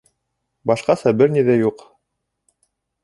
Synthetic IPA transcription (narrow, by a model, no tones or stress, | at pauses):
bɑʃqɑsæbɘɾniðæjuq